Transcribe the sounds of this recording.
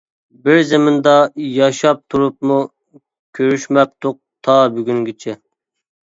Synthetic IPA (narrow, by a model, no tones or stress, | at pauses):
bɪɾzemɪnd̪ɑjɑʃɑp̚t̪ʰuɾup̚mu | kʲʰøɾyʃmɛp̚t̪ʰoq̚t̪ʰɑbyɡʲynɡʲit͡ʃʰɛ